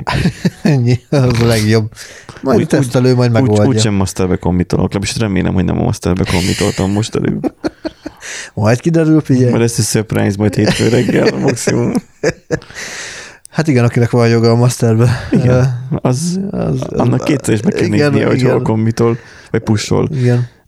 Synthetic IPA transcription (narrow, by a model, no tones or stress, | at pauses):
ɛɲːiɒzɒlɛɡjo̞b | mɒjd̪t̪ɛsɛløːmɒjd̪mɛːɡolduːɟʃʃɛmːɒst̪ɛrbɛkomːbit̪olʔoklɛbiʃt̪rɛmeːlʔɛ̰mho̞ɟnɛ̰mɒ̰mɒ̰st̪ɛrbɛkombit̪o̞lt̪ɒmːoʃt̪ɛ̰lø̰ːb | mɒjt̪kid̪ɛɾylfiɟɛmɒjd̪ɛst̪ɛsøpra̰jnzmɒjt̪heːfø̰ːɾɛɡːɛlmɒksimum | hat̪iɡɛnɒkinɛkʋɒnjo̞ɡɒːmɒst̪ɛrbɛiɡɛɒz̰zɒnːɑkːeːt̪sɛɾeːʃbɛɛimeɡɛnijɛ̰hociɡolkombit̪ol | vɒcpuʃo̰liɡɛn